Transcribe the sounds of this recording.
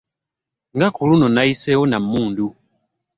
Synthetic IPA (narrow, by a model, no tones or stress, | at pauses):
ŋɡakulunɔnaisɛɔnamuːndu